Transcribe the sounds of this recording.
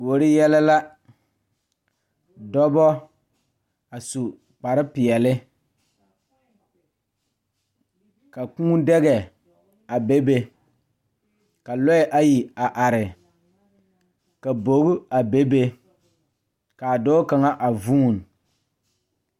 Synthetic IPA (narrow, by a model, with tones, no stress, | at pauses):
bo˨ɾɪ˦jɛ˦la˦la˦ | dɔ˦bɔ˦ | a˨su˨ | k͡pa˨ɾɪ˦pɪ˨ɛ˨lɪ˦ | ka˨kũː˦dɛ˦ɣɛ˨ | a˨be˦be˦ | ka˨lɔ˦˨˦ʔa˦ji˨a˨ʔa˨ɾɪ˨ | ka˨bo˨˦ɡʊ˦a˨be˦be˦ | ka˨dɔː˦ka˨ŋa˦ʔa˨vu˦˨n˨